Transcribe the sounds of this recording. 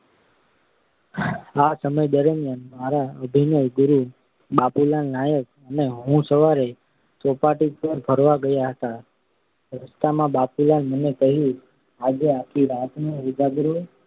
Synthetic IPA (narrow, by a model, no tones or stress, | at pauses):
asəməjd̪əɾəmjanmaɾaəbʱinəjɡʊɾu | bapulannajək̚ | əneɦũsəʋaɾe | sɔpaʈipəɾbʱəɾʋaɡəjaɦət̪a | ɾəst̪amãbapulanmənekəɦjũ | ad͡ʒeakʰiɾat̪noʊd͡ʒaɡɾo